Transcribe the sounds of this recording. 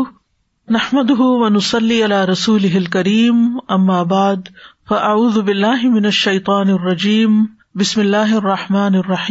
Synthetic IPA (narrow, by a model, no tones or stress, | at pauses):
naħmad̪ʊɦʊwanʊsˤɑlːiːʔalaːɾˤɑsuːlɪɦɪlkaɾiːmʔamːaːbaʕd̪faʔaʕuːðʊbɪlːaːɦɪmɪnaʃːajt̪ˤɑːnɑrˤːɑd͡ʒiːm | bɪsmɪlːaːɦʔɑrˤːɑħmaːnɑrˤːɑħiː